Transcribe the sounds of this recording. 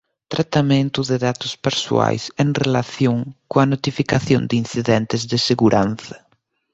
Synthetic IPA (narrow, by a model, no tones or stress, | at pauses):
t̪ɾat̪amẽnt̪uðeðat̪ʊspeɾsṵa̰jseŋrelaθjoŋkoɐnot̪ifikaθjõnd̪in̟θiðɛnt̪ɪzðɪseɣuɾʔanθɐ̥